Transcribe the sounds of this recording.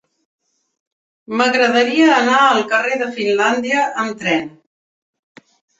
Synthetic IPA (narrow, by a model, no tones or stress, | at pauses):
məɣɾəðəɾiəːnaəlˠkəreðəfinland̪iəʔəmt̪ɾɛn